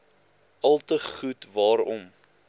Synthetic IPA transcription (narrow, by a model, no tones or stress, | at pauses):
ʔɐlˠtəχutvɑːɾɔ̰m